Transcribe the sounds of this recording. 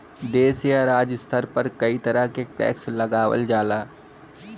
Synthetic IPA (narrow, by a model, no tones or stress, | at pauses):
d̪eːsijaɾaːd͡ʒəst̪ʰəɾpɐɾkɐit̪ɐɾəɦkeʈɛ̰ːkslɐɡaːwə̰ld͡ʒaːlaː